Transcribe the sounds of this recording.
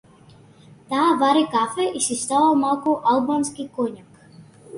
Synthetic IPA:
t̪aːvaɾikafɛisist̪alamalˠkɔʔalˠbanskikoɲak

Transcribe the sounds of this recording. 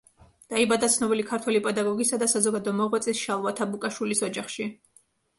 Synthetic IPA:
d̪̥aibad̪at̪sʰnɔbilikʰaɾt̪ʰwɛlipʼɛd̪aɡɔɡisad̪asazɔɡad̪ɔmɔʁwɛt̪sʼisʃalˠvat̪ʰabukʼaʃwilisɔd͡ʒaχʃi

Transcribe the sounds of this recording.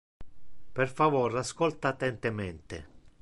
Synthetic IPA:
perfavoːɾaskɔlt̪at̪ːɛnt̪emɛnt̪ɪ̰

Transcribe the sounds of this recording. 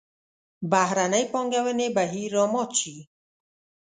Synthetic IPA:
baɦɾanajpɔŋɡawɛnebaɦiɾɔmɔt͡ʃʰi

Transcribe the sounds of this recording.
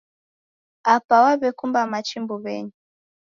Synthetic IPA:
apawaβɛkumbamat͡ʃimbuβɛ̰ɲi

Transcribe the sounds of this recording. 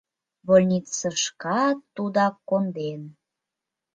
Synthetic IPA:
bolʲnʲit̪səʃkɑt̪ːud̪ɑkːond̪en

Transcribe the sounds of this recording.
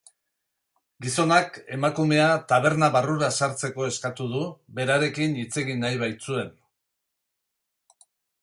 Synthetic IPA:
ɡiso̞nake̞makume̞at̪aβ̞e̞ɾnaβaruɾasaɾt͡se̞ko̞e̞skat̪uðuβe̞ɾaɾe̞kinit͡se̞ɣinajβajt͡sue̞n

